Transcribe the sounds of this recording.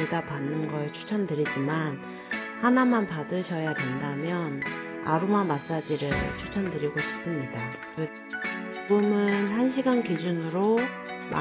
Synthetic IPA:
eɡapanːɯnɡʌet͡ɕʰu̥t͡ɕʰʌmdɯɾid͡ʑiman | hanamanpadɯɕʰʌjadwe̞ndamjʌna̰ɾumamas͈ad͡ʑiɾɯɭt͡ɕʰu̥t͡ɕʰʌmdɯɾiɡoɕʰi̥p̚s͈ɯmɲida | kɯ | t͡ɕuɡɯmɯnhanɕʰiɡankid͡ʑunɯɾo | ma̰

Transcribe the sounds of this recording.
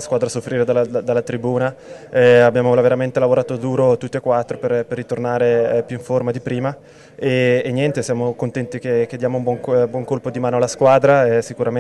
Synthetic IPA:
askwaːd̪ɾasofːɾiːɾed̪alad̪alːat̪ɾibuːnaɛabːjaːmolaveɾament̪elavoɾaːt̪od̪uːɾot̪ut̪ːiekːwat̪ːɾoperperːit̪ornaːɾepjuiɱformad̪ipɾiːma | eːɲjɛnt̪esjaːmokont̪ɛnt̪ikek̟ed̪jaːmoumbwɔŋbwɔŋkolpod̪imaːnoalːaskwaːd̪ɾaɛsikuɾam

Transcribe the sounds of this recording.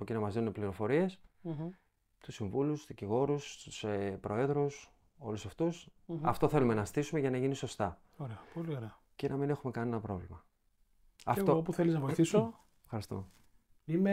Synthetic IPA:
ocinɐmɐzðinunepliɾo̞fo̞ɾie̞s | t̪usiɱvulusðiciɣo̞ɾust̪usepɾo̞e̞ðɾus | o̞̰lusɐft̪usɐ̰ft̪o̞θe̞lume̞nɐst̪isume̞ʝɐnɐʝiniso̞st̪ɐ | oɾeɐpolioɾeɐ | cenʔɐmine̞xume̞kɐninnɐpɾo̞vlimɐ | ɐft̪oopuθeliznɐvojθiso | fxɐɾist̪om | ime

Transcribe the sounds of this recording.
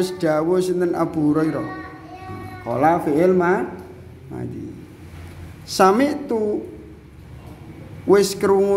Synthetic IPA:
ɪsɖ̥a̤wosint̪əna̰b̥uɾɔiɾɔ | ko̰lafiʔɪlma | ma̰d͡ʒḭ | samɪʔt̪u | wɪskəɾuŋu

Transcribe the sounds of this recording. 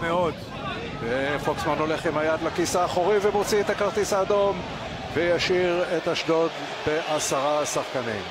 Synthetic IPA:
meo̞d̪ | vefoksmano̞le̞χimhajad̪lakisaːχoʁivemot͡siet̪akaʁt̪isaːd̪o̞m | vejaʃiʁe̞t̪aʃdo̞d̪ | be̞ʔasaʁasaχkanim

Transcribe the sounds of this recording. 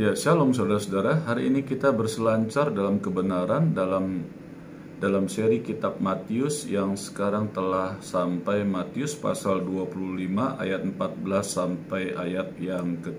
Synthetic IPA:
jasalɔmsaudaɾasodaɾaɦaɾiːnikit̪abərsəlaɲt͡ʃardalamkəbənaɾandalam | dalamseɾikit̪ap̚mat̪iʊsjaŋsə̥kaɾaŋt̪əlahsampajmat̪iʊspa̰salduapuluhlimaʔa̰jat̪̚mpat̪̚bəlasːampajajat̪̚jaŋkə

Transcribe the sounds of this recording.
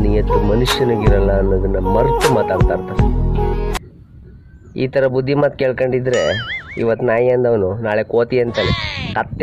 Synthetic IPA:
nijɐt̪ːumɐnuʂjɐnɐɡiɾɐlːɐːnːɐd̪ɐnːɐmɐɾt̪umaːt̪aːɽt̪aːɽt̪aːɾe | ḭːt̪ɐɾɐbud̪ʱːimaːt̪̚keːɭkoɳɖid̪ɾeḭʋɐt̪ːnaːjɐnd̪ɐʋɐnunaːɭekoːt̪iɐnt̪elekɐt̪ː

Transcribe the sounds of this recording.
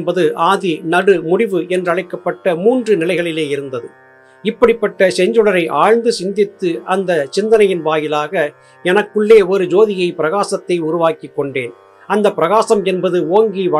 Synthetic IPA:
bɐðɯʔaːðinɐɽɯmʊɽɪʋɯɛndrɐɻɐɪkːɐpːɐʈːɐmuːndrɯnɪlɐɪɣɐɭɪleːɪɾɯnd̪ɐðɯ | ɪpːɐɽɪpːɐʈːɐsɛɲd͡ʒɯɽɐɾɐɪʔaːɻnd̪ɯsɪnd̪ɪt̪ːɯɐnd̪ɐt͡ʃɪnd̪ɐnɐjɪnʋaːjɪlaːɣɐ | ɛnɐkːɯɭːeːɔɾɯd͡ʒoːðɪjɐɪpɪɾɐɣaːsɐt̪ːɐɪʊɾʊʋaːkɪkːɔɳɖeːn | ɐnd̪ɐpːɪɾɐɣaːsɐmɛnbɐðɯoːŋɡiʋɐ

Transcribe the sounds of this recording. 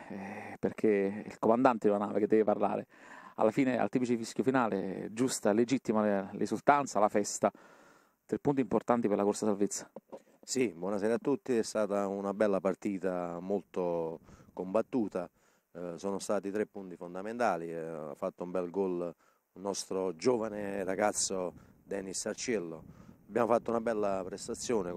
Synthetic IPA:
ɛperk̟ʰeḭlkomand̪ant̪ed̪elanaːveked̪ːɛveparla̰ːɾea̰lːafiːnea̰lt̪iːpit͡ʃifiskjofinaːlḛd͡ʒust̪aled͡ʒit̪ːimalʔisult̪ant̪salafɛst̪a | t̪ɾepːunt̪import̪ant̪ipeɾlakorsasalvet̪sːḁ | sibwɔnasɛːɾat̪ːut̪ːiɛst̪aːt̪aunabɛlːapart̪iːt̪amolt̪okombat̪ːuːt̪a | soːnost̪aːt̪it̪ɾepːunt̪ifond̪ament̪aːlia̰fːat̪ːoumbɛlɡɔl | nɔst̪ɾod͡ʒoːvaneraɡat̪sːod̪ɛːnisart͡ʃɛlːoabːjaːmofat̪ːounabɛlːapɾɛst̪at̪sːjoːne

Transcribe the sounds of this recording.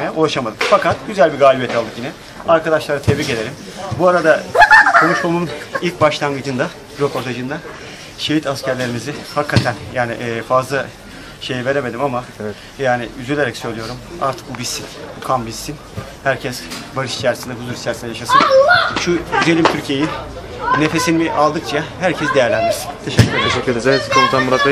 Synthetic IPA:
jaʔulˠaʃamad̪ɯkfakat̪ɟyzælʲbiɡaːlʲibiejt̪ʰalˠd̪ɯkjinɛ | aɾkad̪aʃlˠaɾat̪ʰevɾice̞d̪e̞ɾim | buaɾad̪akʰo̞nuʃmamunilʲcbaʃlˠaŋɡɯd͡ʒɯnd̪a | ɾo̞pʰo̞ɾt̪ʰad͡ʒɯnd̪a | ʃeɦit̪ascʰæɾlʲe̞ɾimizɪhakʰːat̪ʰænjaːniʔːfazlˠa | ʃe̞jive̞ɾe̞me̞d̪imamavɛ | jaːnɪ̰yzylʲe̞ɾɛcsø̞jlʲijo̞ɾuma̰ɾt̪ʰɯ̥kubisːinukʰambisːin | hæɾcʰɛsbaɾɯʃi̥t͡ʃʰæɾsind̪ɛɦuzuɾit͡ʃʰæɾsind̪ɛjaʃasɯnʃuyze̞lʲimt̪ʰyɾcʰijeji | ne̞fe̞sinimiʔalˠd̪ɯk̚t͡ʃʰaɦæɾcʰɛsd̪e̞jæɾlʲænd̪iɾsint̪ʰeʃɛcːyɾeeʃɛyɾeesikʰonut̪anmuɾat̪lˠa

